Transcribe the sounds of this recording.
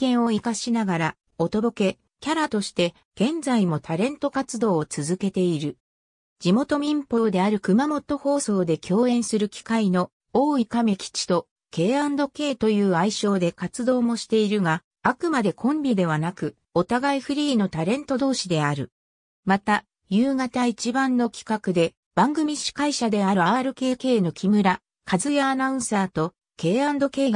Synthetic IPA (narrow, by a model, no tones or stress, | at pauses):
kẽ̞ɰ̃o̞ikaɕinaɡaɾa | o̞t̪o̞d̪o̞ke̞ | kʲaɾat̪o̞ɕi̥t̪e̞ | ɡ̥ẽ̞nd͡zaimo̞t̪ʰaɾẽ̞nt̪o̞kat͡sɨd̪o̞ːt͡sɨzɨke̞t̪e̞iɾɯ̟ | d͡ʑimo̞t̪o̞mʲĩmpo̞ːd̪e̞aɾɯ̟kɯ̟mamo̞t̪o̞ho̞ːso̞ːd̪e̞kʲʰo̞ːẽ̞ɰ̃sɨɾɯ̟kʲi̥kaino̞ | oːikame̞kʲi̥t͡ɕi̥t̪o̞ | ke̞ːãnd̪o̞ke̞ːt̪o̞jɯ̟ːaiɕo̞ːd̪e̞kat͡sɨd̪o̞ːmo̞ɕi̥t̪e̞iɾɯ̟ɡa | akɯ̟mad̪e̞kʰõ̞mbʲid̪e̞β̞anakɯ̟ | o̞t̪aɡaiɸɯ̟ɾʲiːno̞t̪aɾẽ̞nt̪o̞d̪o̞ːɕid̪e̞aɾɯ̟̰ | mat̪a | jɯːɡat̪ait͡ɕibãnːo̞kʲi̥kakɯ̟d̪e̞ | b̥ãŋɡɯ̟mʲiɕi̥kaiɕad̪e̞aɾɯ̟aːɾɯ̟ke̞ːke̞ːno̞kʲʰimɯ̟ɾa | kʰazɨjaːnaɯ̟̃ɰ̃saːt̪o̞ | ke̞ːãnd̪o̞ke̞ːɡ